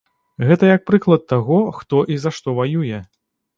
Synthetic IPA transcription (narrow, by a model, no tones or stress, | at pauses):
ɣɛt̪ɐjɐk̚pɾɨklˠɐt̪ːaɣɔxt̪ɔʔizɐʂt̪ɔvajujɛ